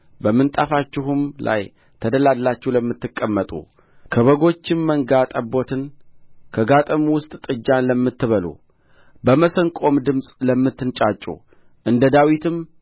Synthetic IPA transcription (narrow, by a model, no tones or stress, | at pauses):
bəmːɨnt̪ʼafat͡ʃːɪɦumlʔa̰j | t̪ʰəd̪əlad̪lat͡ʃːɛhləmːɨt̪ːɨkʼːəmːət̪ʼṵ | kʰəβəɡo̞t͡ʃːɪnməŋɡat̪ʼəbo̞t̪ʰɨnkʰəɡat̪ʼɨmwʊst̪ʼt̪ʼɨd͡ʒːanləmːɨt̪ːɨβəlṵ | bəməsəŋkʼo̞md̪ɨmsʼləmːɨt̪ːɨnt͡ʃʼat͡ʃʼːṵ | ʔɨnd̪əd̪awit̪ɨm